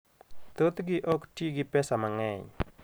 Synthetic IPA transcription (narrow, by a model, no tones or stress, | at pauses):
t̪ot̪ɡɪʔɔktjeɡɪpɛsamaŋɛɲ